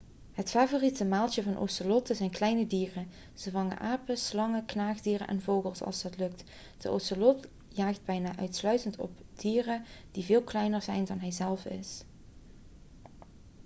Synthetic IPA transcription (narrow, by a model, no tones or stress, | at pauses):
ɦətfaːvoːritəmaːlˠtjəvɑnʔo̰wsəlɔtəzɛjnklɛjnədiːrə | z̥əvɑŋə̰nʔaːpəslɑŋəknaːχdiːrə̰nʔɛ̰nvowɣəlˠsɑ̰lˠzdɑtlɵk̚t | d̥əʔo̰wsəlɔt | jaːχd̚bɛjnaːʔœɥtslœɥtəntɔ̰bd̥iːrəd̥ivɪːlˠklɛjnəɹzɛjndɑnɦɛjzɛlˠfɪ̰s